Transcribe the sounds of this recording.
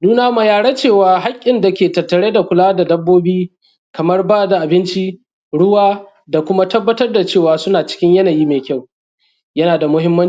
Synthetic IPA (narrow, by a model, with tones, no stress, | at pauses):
nuː˦naː˦ma˨jaː˨ɽɐ˦t͡ʃeː˦˨waː˨ɦa˦kʲʼːɪ˨nda˨kʲeː˨tɐ˨tːɐ˨ɽeː˦da˨kʷʊ˨laː˦da˨dɐ˦bːoː˦biː˦ | kɐ˨mɐ˦rbaː˦da˨ʔa˨bɪ˦nt͡ʃi˦ | ɽʊ˦waː˦ | da˨kʷʊ˦ma˦tɐ˦bːɐ˦tɐ˦rda˨t͡ʃeː˦˨waː˨sʊ˦naː˨t͡ʃɪ̥˦kʲɪ˦ɲjɐ˦na˨jiː˦meː˨kʲa˦˨w | jɐ˦naː˨da˨mʊ˦ɦɪ˦mːɐ˦n˦